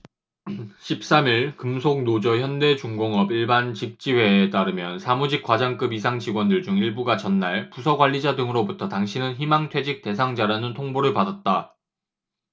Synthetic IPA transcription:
ɕʰip̚s͈amiɭkɯmsʰok̚nod͡ʑʌçjʌnde̞t͡ɕuŋɡoŋʌbiɭbant͡ɕik̚t͡ɕ͈iwe̞ːt͈aɾɯmjʌnsʰamud͡ʑik͈̚wad͡ʑaŋk͈ɯbis̬ʰaŋt͡ɕiɡwʌndɯɭd͡ʑuŋiɭbuɡat͡ɕʌnːaɭpusʰʌɡwaʎːid͡ʑadɯŋɯɾobutʰʌtaŋɕʰinɯnçimaŋtʰwe̞d͡ʑik̚t͈e̞sʰaŋd͡ʑaɾanɯntʰoŋboɾɯɭpadat̚t͈a

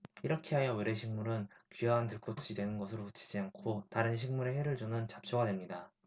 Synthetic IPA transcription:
iɾʌkʰe̞ɦajʌweɾe̞ɕʰiŋmuɾɯnkijaɦantɯɭk͈ʰotʰud͡ʑidwe̞nɯnɡʌsʰɯɾokɯt͡ɕʰi̥d͡ʑiankʰotaɾɯnɕ̬ʰiŋmuɾe̞ɸeɾɯɭd͡ʑonɯnt͡ɕap̚t͡ɕ͈ʰoɡadwe̞mɲida

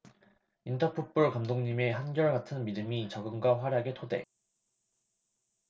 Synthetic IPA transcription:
intʰʌpʰup͈uɭkamdoŋɲime̞ɦanɡjʌɭɡatʰɯnmidɯmit͡ɕʌɡɯŋɡwaɸwaɾjaɡe̞tʰode̞̰

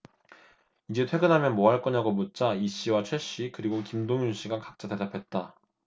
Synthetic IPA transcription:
id͡ʑe̞tʰwe̞ɡɯnɦamjʌnmoɦaɭk͈ʌnaɡomut̚t͡ɕ͈aiɕ͈iwat͡ɕʰweɕ͈ikɯɾiɡokimdoŋjuɕ͈iɡakḁk̚t͡ɕ͈ade̞dapʰe̞t̚t͈a

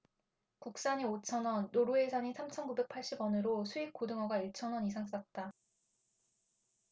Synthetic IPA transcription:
kuk̚s͈aɲiot͡ɕʰʌnwʌnːoɾuesʰaɲisʰamt͡ɕʰʌnkube̞k̚pʰaɭɕ͈ibwʌnɯɾosʰuik̚k͈odɯŋʌɡaiɭt͡ɕʰʌnwʌnisʰaŋs͈ak̚t͈a

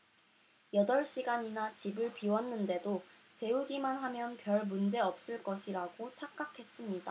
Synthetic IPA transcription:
jʌdʌɭɕ͈iɡaɲinat͡ɕibɯɭpiwʌnːɯnde̞do | te̞uɡimanɦamjʌnpjʌɭmund͡ʑe̞ʌp̚s͈ɯɭk͈ʌɕʰiɾaɡot͡ɕʰak̚k͈akʰe̞s͈ɯmɲida

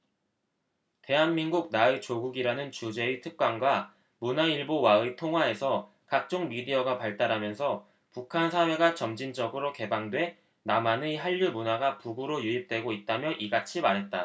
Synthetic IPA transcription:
te̞ɦanminɡuk̚naet͡ɕoɡuɡiɾanɯnt͡ɕud͡ʑe̞etʰɯk̚k͈wanɡwa | munaiɭbowaɯtʰoŋɦwae̞sʰʌ | kak̚t͡ɕ͈oŋmidiʌɡapaɭt͈aɾamjʌnsʰʌ | pukʰansʰawe̞ɡat͡ɕʌmd͡ʑind͡ʑʌɡɯɾoke̞baŋdwe̞ | namanɯiɦaʎːumunaɡapuɡuɾojuip̚t͈we̞ɡoit̚t͈amjʌʔiɡat͡ɕʰimaɾɦe̞t̚t͈a

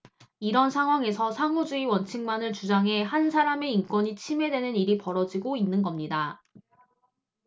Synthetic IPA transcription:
iɾʌnsʰaŋɦwaŋe̞sʰʌsʰaŋud͡ʑuiwʌnt͡ɕʰiŋmanɯɭt͡ɕud͡ʑaŋɦe̞hansʰaɾame̞ink͈wʌɲit͡ɕʰime̞dwe̞nɯniɾipʌɾʌd͡ʑiɡoinːɯnɡʌmɲida

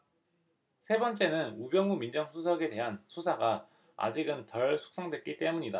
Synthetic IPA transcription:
sʰe̞bʌnt͡ɕ͈e̞nɯnubjʌŋumind͡ʑʌŋsʰusʰʌɡe̞de̞ɦansʰusʰaɡa | a̰d͡ʑiɡɯntʌɭsʰu̥k̚s͈ʌŋdwe̞t̚k͈it͈e̞muɲida

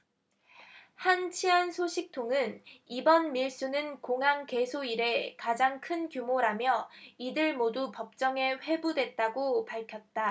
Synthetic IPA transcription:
hant͡ɕʰiɦansʰoɕʰik̚tʰoŋɯnibʌnmiɭs͈unɯnkoŋɦaŋke̞sʰoiɾe̞kad͡ʑaŋkʰɯnkjumoɾamjʌidɯɭmodupʌp̚t͡ɕ͈ʌŋe̞ɸe̞budwe̞t̚t͈aɡopaɭkʰjʌt̚t͈a

